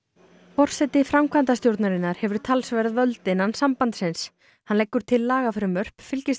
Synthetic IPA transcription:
fɔr̥sɛt̪ɪfɾamkʰvant̪ast̪jowɾt̪naɾɪnːaɾ̥hɛvʏɾʏ̥t̪ʰalsvɛɾðvœlt̪ɪnansampant̪sɪns | hanlejkːʏɾ̥t̪ʰɪlːaːɣafɪɾʏmœr̥pfɪlcɪ

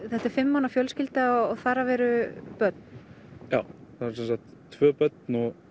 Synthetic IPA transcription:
θɛt̪ɪɾ̥fɪmːawnafjœlscɪlt̪aɔɔɣθaːɾavɛːɾʏpœt̪̚n̥ | jaːwθaðɾsɛnsak̚t̪ʰːvœːpœt̪̚nɔɣ

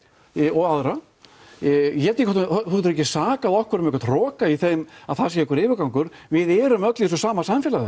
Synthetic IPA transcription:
ɔɣaðɾa | jɛt̪ikʰɔt̪θut̪ɾɛcːɪsaːkaðɔhkvʏɾʏmɛkɾt̪ʰrɔːkaiθejmaðθas̬jɛɛkʏɾɪːvɪɾkawŋkʏɾvɪðɛɾʏmœt̪lɪs̬ɔsaːmasamfjɛlaðɪ

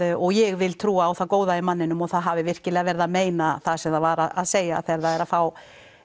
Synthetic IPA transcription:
ɔɣjɛɣvɪlt̪ʰɾuːaːwθaðkoːwðajɪmanːɪnʏmɔθaðɦavɪvɪr̥cɪlɛːɣavɛɾðameːjnaθasɛmðavaɾaa̰ðseːja̰ːθɛɾðaɛɾaðfaːw

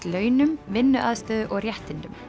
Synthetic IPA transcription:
lœʏnʉmʋɪnəʔɑðst̪øːðʔɔːɾjɛht̪ɪnd̪ʉm

